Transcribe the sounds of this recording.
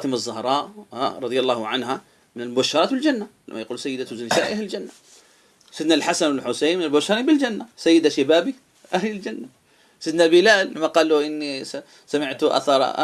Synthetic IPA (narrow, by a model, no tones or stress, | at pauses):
ɑːt̪ɪmazˤːʊhɾˤɑːʔaɾˤɑd̪ˤjalˤːɑːhʕanɦa | mɪnɪlmʊbaʃːɑɾˤɑːt̪bɪld͡ʒanːala̰mːajaquːlsajːɪd̪aznɪsaːʔahlɪld͡ʒanːa | sɪd̪nalħasanwɪlħʊsajːnmɪnalmʊbaʃːɑɾˤnbɪld͡ʒanːasajːɪd̪aʃabaːbi | ʔahlɪld͡ʒanːa | sɪd̪nalbɪlaːlʔamːaqɑːlːuʔɪnːi | samɪʕt̪ʔa̰θɑɾ̰ˤ